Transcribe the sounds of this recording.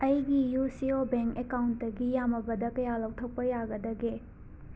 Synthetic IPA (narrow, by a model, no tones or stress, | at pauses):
ɐjɡijusiobeŋkekawntdɐɡijamɐbɐdɐkɐjalɐw̚tʰɐk̚pɐjaɡɐdɐɡe